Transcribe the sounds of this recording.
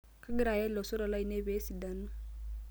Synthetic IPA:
ka˦ɡi˦ɾa˨jɛ˦lɔ˨sɔ˦ɾɔ˨la˦i˨ne˦be˨˦si˨da˨na˦˨

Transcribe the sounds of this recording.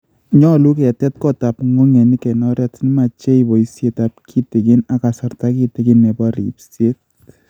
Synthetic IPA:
ɲɔ˦lu˦ke˨tɛ˦t̚kɔ˦ta˨pŋo˦ŋe˨ni˦kɛ˨nɔ˦ɾja˦tni˦ma˨t͡ʃe˦ibɔ˨i˦sje˦ta˨p̚kʰi˦tɪ˨kɪ˦na˨ka˨sa˨rta˦ki˦tɪ˦kɪ˦nːe˨pɔ˦ɾḭ˨psje˦t̚

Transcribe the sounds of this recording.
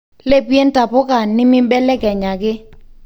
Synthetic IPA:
le˦pje˦nta˨pɔ˦ka˨nːɪ˦mɪ˦bɛ˦lɛ˦kɛ˨ɲa˨ɡɪ˦

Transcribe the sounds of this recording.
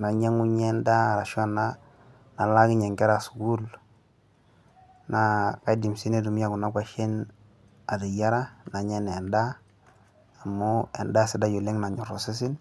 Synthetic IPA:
na˨ɲe˦ŋu˦ɲe˦nda˦˨ɾa˨ʃo˦nːa˦ | na˨la˦ɡi˦ɲe˨ŋke˦ɾa˨su̥˨ɡu˦l | na˨ka˦di˨msi˦ne˦du˨m˦ja˦˨ku˨na˦kʷa˦ʃe˦n | a˨di˨ja˦ɾa˦na˨ɲe˦ne˨nda˦˨ | mːo˦e˨nda˦si˨da˦ju˨le˦ŋna˨ɲu˨ɾo˨si˦s̬i˦n

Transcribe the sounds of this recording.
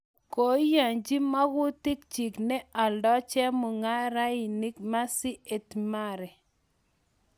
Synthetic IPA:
ko˨˦ja˨ɲd͡ʒi˦ma˦ɣʊ˦tɪ˦k̚t͡ʃi˨knɛ˦a˨ldɔ˦t͡ʃɛ˦mʊ˨ŋa˦ɾa˦ɪ˨ni˦kma˦sɪ˦e˨tma˦ɾɛ˨

